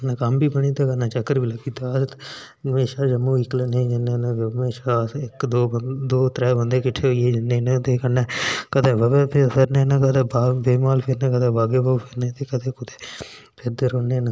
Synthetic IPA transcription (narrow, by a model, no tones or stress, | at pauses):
nakəmbiːbəɽ̃iːt̪aːkənãːt͡ʃəkːəɾbiːləɡiːt̪aː | meːʃaːd͡ʒəmũːikleːned͡ʒənẽːnãːmeːʃaːɪkd̪oːd̪oːt̪ɾɛːbənd̪eːkɪʈʰːeːɦoieːd͡ʒɪnːeːnẽːt̪eːkənɛːkət̪ẽːʋəbɛːpʰepʰɪɾneːnakəd̪eːbaːbeːmaːlpʰɪɾnɛ̃ːkəd̪eːbaːbeːbapʰɪɾneːt̪eːkət̪ʰeːkʊt̪eː | pʰɪɾd̪əɾoːneːna